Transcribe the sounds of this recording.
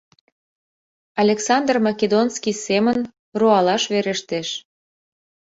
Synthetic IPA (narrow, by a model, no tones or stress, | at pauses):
ɑlʲeksɑnd̪rmɑkʲed̪onskisemən | roɑlɑʃβeɾeʃt̪eʃ